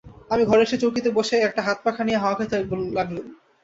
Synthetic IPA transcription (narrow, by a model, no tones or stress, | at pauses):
amiɡʱɔɾeɾʃet͡ɕokit̪eboʃeɛk̚ʈaɦat̪̚pakʰanijaɦaoakʰet̪ʰebollaɡlu